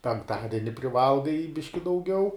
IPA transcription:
pʲɛŋkˈtɑːdʲɛnʲɪ pʲrʲɪˈʋɐlˠɡɐɪ ˈbʲɪʃʲkʲɪ dɐʊˈɡʲɛʊ

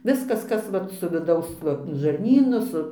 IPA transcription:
ˈʋʲɪskɐs ˈkɐs ʋɐt sʊ ʋʲɪˈdɐʊs ˈʋɐ ʒɐrʲˈnʲiːnʊ ˈsʊ

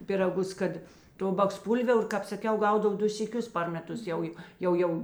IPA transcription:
pʲɪrɐˈɡʊs ˈkɐt ˈtoː bɐksˈpuːlʲʋʲɛʊr ˈkɑːp sɐˈkʲɛʊ ˈɡɐʊdɐw ˈdʊ sʲiːˈkʲʊs pɐr mʲɛˈtʊs ˈjɛʊ joː ˈjɛʊ ˈjɛʊ

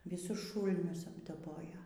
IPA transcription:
ʋʲɪˈsʊs ˈʃuːlʲnʲʊs ɐbdɐˈboːjoː

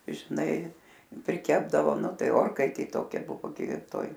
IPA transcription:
ʒʲɪˈnɐɪ pʲrʲɪˈkʲæːbdɐʋoː ˈnʊ ˈtɐɪ ˈoːrkɐɪtʲeː ˈtoːkʲɛ ˈbʊʋoː ɡʲɪ ˈtoːj

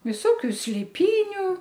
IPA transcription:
ʋʲɪˈsoːkʲʊ sʲlʲeːˈpʲiːnʲʊ

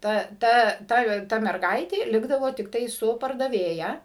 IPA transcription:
ˈtɐ ˈtɐ ˈtɐ ˈtɐ mʲɛrˈɡɐɪtʲeː ˈlʲɪɡdɐʋoː tʲɪkˈtɐɪ ˈsʊ pɐrdɐˈʋʲeːjɛ

